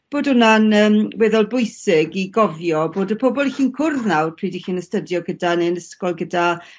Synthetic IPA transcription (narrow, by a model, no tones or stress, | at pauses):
b̥oːdʊnanəːmwɛðɔlˠbʊɨsɪɡiɡɔvjɔboːdəpʰɔbɔlˠiɬiːnkʰʊrðnawrpʰriːdixiːnəstədjɔɡədaneənəskɔlˠɡəda